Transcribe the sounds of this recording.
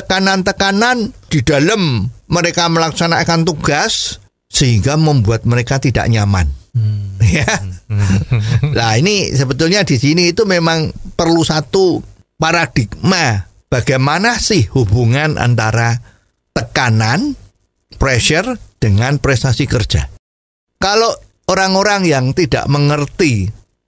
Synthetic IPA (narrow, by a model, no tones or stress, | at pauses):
t̪əkanant̪əkanand̥id̥alamːəɾekaməlaksanakant̪uɡ̥as | səɦiŋɡaməmbuat̪̚məɾekat̪ida̰ʔɲama̰n | ja | lainisəbət̪ʊlɲad̥isiniːt̪umemaŋpərlusat̪u | paɾad̥ik̚ma | b̥aɡ̥ajmanasɪhhub̥uŋanʔa̰nt̪aɾa | t̪əkanan | pɾɛʃərd̥əŋanpɾɛst̪asikərd̥ʒ̥a̰ | kalo | oɾaŋoɾaŋjaŋt̪ida̰ʔməŋərt̪i